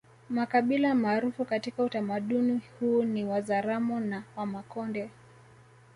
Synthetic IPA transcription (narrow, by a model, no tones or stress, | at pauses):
makaɓilamaːɾufukatikautamaɗunihuniwazaɾamɔnawamakɔndɛ